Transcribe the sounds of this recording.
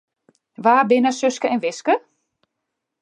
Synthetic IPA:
ʋaːbɪnəsøskəɛnʋɪskə

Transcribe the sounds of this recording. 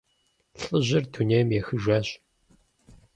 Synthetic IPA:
ɬʼɨʑɪrtʰuneːmjɛxɨʒʷɐːɕʼ

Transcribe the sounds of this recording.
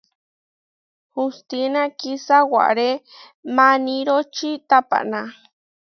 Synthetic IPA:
hust̪inakisawa̰ʔɾe | mãnĩɾot͡ʃit̪apa̰ʔna

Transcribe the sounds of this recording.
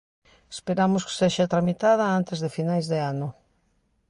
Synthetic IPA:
espeɾamʊske̥seʃat̪ɾamit̪að̞ɐant̪ezðefinajzðeanʊ

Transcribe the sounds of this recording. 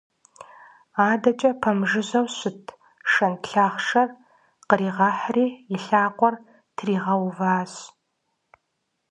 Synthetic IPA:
aːdɐt͡ʃʼɐpʰɐmʒɨʑɐwɕʊtʰ | ʃɐntɬaːχʂɐr | qəɾiːʁɑħriːjɪɬaːqʷʼɔr | tʰriːʁɐwvaːz

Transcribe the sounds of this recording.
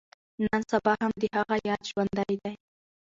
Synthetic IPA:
nansabɑhamd̪ɪhɑɣɑjaʃwand̪ajd̪aj

